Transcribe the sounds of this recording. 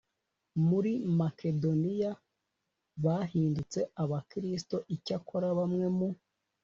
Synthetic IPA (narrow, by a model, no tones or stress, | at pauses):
muɾimake̞do̞nija | βahiːndut͡se̞aβakiɾisto̞ʔicakʰo̞ɾaβamŋe̞mu